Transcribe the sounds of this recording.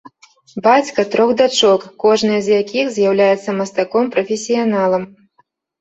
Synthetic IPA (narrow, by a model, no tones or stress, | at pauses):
bat͡sʲkɐt̪ɾɔɣd̪at͡ʂɔkːɔʐnɨjɐzʲjakʲixzʲjawlʲajɛt̪sːɐmɐst̪akɔmpɾɐfʲesʲijan̪alˠɐm